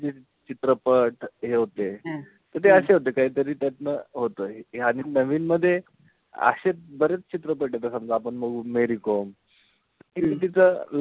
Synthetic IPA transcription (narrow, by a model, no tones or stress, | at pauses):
d͡ʑe | t͡ɕit̪ɾəpəʈɦeɦot̪e | t̪əɾt̪eəɕeɦot̪̬ekaɦiːt̪əɾiːt̪jat͡snəɦot̪əːɦɦaɽ̃inəʋiːnməd̪ʱːje | ə̰ɕet͡sbəɾet͡st͡ɕit̪ɾəp̬əʈjet̪asəmd͡zaapəɳməɡmeɾikom | t̪əkit̪it̪̬it͡səl